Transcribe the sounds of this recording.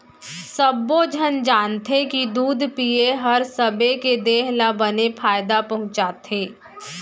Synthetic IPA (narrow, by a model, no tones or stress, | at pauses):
səbːod͡ʒʱənd͡ʒaːnt̪ʰekid̪uːd̪ʱpieɦɐɾsəbeked̪eːɦlabənepʰaːɪd̪apɐɦʊ̃t͡ʃaːt̪ʰeː